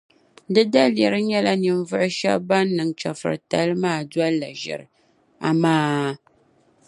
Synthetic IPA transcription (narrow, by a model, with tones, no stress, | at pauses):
dɨ˦da˦ljɛ˨ɾɨ˦ɲɛ˦la˦nɨ˨m˦vʊ˦ʔʊ˦ʃɛ̰˦bba˦nː˦ɨ˨ŋ˨t͡ʃa̰˨fɨ̰˨ɾɨ˨ta̰˦lɨ˦maː˦˨dwa˦la˨ʒɛ̰˨ɾɨ˨ | a̰˨maː˦